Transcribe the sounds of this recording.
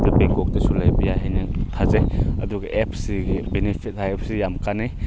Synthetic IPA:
dɐpeŋkɔk̚tɐsulajbijaɦajnɐtʰazeɐ̰duɡɐʔep̚ʰsiɡibenipʰit̚hajep̚sijamkanaj

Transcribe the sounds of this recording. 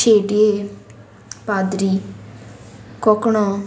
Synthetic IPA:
t͡ʃʰeːɖeː | paːd̪ɾiː | kɔkɽõː

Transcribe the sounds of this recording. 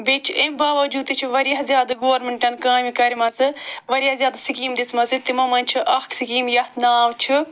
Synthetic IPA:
bet͡ʃʰʔembaːʋɐd͡ʒuːd̪t̪ɨt͡ʃʰiʋɐɾijɐɦzʲjaːd̪ɨɡoːɐɾmeɳʈɐnkãːmikɐɾmɐt͡sɨʋɐɾʲijazjaːd̪sikiːmd̪ismɐt͡sɨt̪imɐmɐnʲt͡ʃʰiʔɐksikiːmjɐht̪ʰnaːʋt͡ʃʰi

